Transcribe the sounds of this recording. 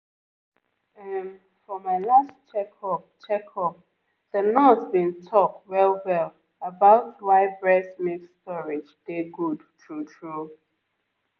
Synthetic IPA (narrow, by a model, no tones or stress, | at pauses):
ɛn | fɹɔmaɪlastt͡ʃɛkʰɔpt͡ʃɛkʰɔp̚ | ð̥ənɔtsbĩntʰɔk̚twɛlˠwɛlˠ | əbaʊtwaɪbɹɛsmekstɔɹɪd͡ʒd̥eɡudtʰɹutɹu